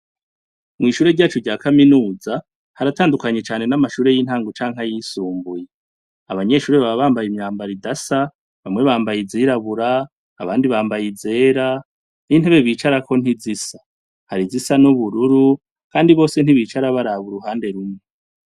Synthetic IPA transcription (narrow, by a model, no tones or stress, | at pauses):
mŋiːʃuːɾe̞ɾɟaːt͡ʃuɾɟaːkaminuːza | haɾataːndukaɲe̞t͡ʃaːne̞namaʃuːɾe̞jiːn̥haːŋɡot͡ʃaːŋ̥hajiːsuːmbuje | aβaɲe̞ʃuːɾeβaβaβaːmbajimɲaːmbaɾidasa | βamŋe̞βaːmbajiziɾaβuɾa̰ː | βaːndiβaːmbajize̞ːɾa | niːn̥e̞βe̞βiːt͡ʃaɾako̞n̥izisḁ | haɾizisanuβuɾuɾu | kaːndiβo̞ːse̞n̥iβiːt͡ʃaɾaβaɾaβuɾuhaːnde̞ɾumŋe